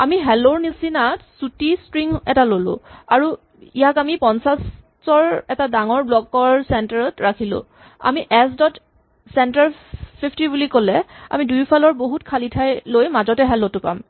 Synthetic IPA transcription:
amiɦɛloɹnisinatsutistɹiŋɛtalolʊ̰̃aɹu | ijakamipɔnsas | sɔɹɛtadaŋɔɹblɔkɔɹsɛntaɹɔtɹakʰilʊ̰̃ | a̰miʔɛsdɔt | sɛntaɹpʰipʰtibulikolɛa̰midujpʰalɔɹboɦutkʰalitʰajlojmazɔtɛɦɛlotʊpa̰m

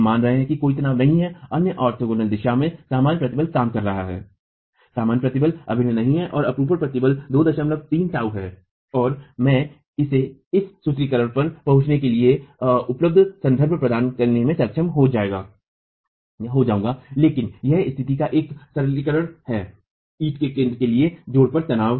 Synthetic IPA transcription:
maːnɾɐɦẽɦɛ̃kikoːit̪ɐnaːʋnɐɦĩɦɛɐnjəʔɔːɾt̪ʰoɡoːnəld̪ɪʃamẽsaːmaːnjpɾɐt̪ɪbəlkaːmkɐɾːɐɦa̰ɦɛ̰ː | saːmaːnpɾɐt̪ɪbəlɐ̰bʱɪnenɐɦĩɦɛʔɔːɾɐpɾuːpəɾpɾɐt̪ɪbəld̪oːd̪ɐʃəmləɡ̚t̪iːnsaːuɦɛː | ɔːɾmɛ̃ː | ɪseɪsːʊt̪ɾikəɾəɽ̃pɐɾpɐɦʊ̃t͡ʃnekelieʊpləb̚d̪ʱsɐ̃nd̪ʱəɾbʱpɾɐd̪aːnkɐɾnemẽsɐkʃʰəmɦod͡ʒaːeːɡa̰ː | ɦod͡ʒaːũːŋɡaːleːkɪnjɛɦɪst̪ʰɪt̪ikaʔeːksɐɾəlikəɾəɽhɛː | iːʈkekẽːnd̪ɾəkelied͡ʒoːɽpɐɾt̪ɐnaːʋ

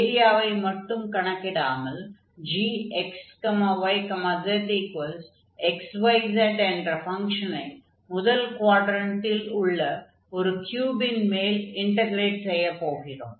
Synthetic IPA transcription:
eɾijaːʋɐɪmɐʈːumkɐɳɐkːiɽaːmɐl | d͡ʒiːekskɐmɐʋɐjkɐmɐd̪ɐt̪ːiːkʋɐls | eksʋɐjzɐɳɖeɳɖrɐfɐŋkʂɐnɐɪ | muðɐlkwaːʈɾɐntːiluɭːɐ | oɾukjuːbinmeːliɳɖɐɡɾeːʈsejːɐpːoːɣiɾo̰m

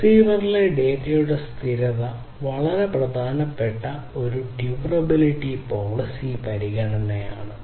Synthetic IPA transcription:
siːʋɐrileɖe̞ːɾijuɽest̪ʰiɾɐðɐ | ʋɐɭɐɾe̞prɐd̪ʱaːnɐpːe̞ʈːɐ | o̞ɾuɖjuʋrɐbiliʈːipo̞ːɭɐsipɐɾiɣɐɳɐnːeja̰ːɳɨ

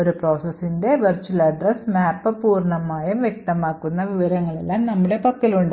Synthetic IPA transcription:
oɾupro̞ːsɐsːinde̞ʋɐrt͡ɕuɐlɐɖrɐsmaːpːɨpuːrɳɐmaːjɐmʋjek̚t̪ɐmaːkːunːɐʋiʋɐɾɐŋːɐɭe̞̰lːaːmnɐmːuɽe̞pɐkːiluɳɖ

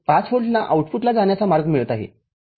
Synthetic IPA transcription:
pat͡sfoʈlaʔauʈfuʈlad͡zaɳjat͡samaɾɡmiɭət̪aɦḛ

